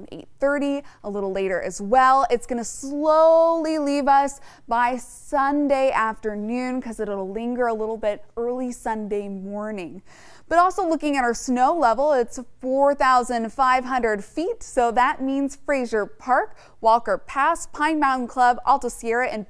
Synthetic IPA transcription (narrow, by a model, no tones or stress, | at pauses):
nḛɪt̪̚θɜ˞ɾiʔəlɪɾl̩ˠleɪɾə˞ʔɨzwɛlˠɨtsɡ̥ʌñɨsloʊlˠilivʌs | b̥aɪsʌ̃ndeɪʔæftə˞nʉ̃nkʰʌzɨɾəɾlɪ̃ŋɡə˞əlɪɾl̩ˠbɪɾɜ˞lˠisʌ̃ndeɪmɔɹnɪ̃ŋ | b̥ʌɾɔlˠsoʊlʊkɪ̃ŋɨɾə˞snoʊlɛvl̩ˠɪtsfɔɹθaʊzɨ̃nfaɪv̥ɦʌ̃ndɹɨd̥fitsoʊðɨt̚mĩnz̥fɹeɪzə˞pʰɑɹk | wɔlˠkə˞pʰæspʰãɪ̃nmãʊ̃nn̩kʰl̥ʌbɔ̰lˠtəʊsiɛɹɨʔɨ̃n